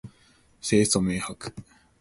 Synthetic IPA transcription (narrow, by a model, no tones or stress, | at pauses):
seːst̪omeːhakɯ̥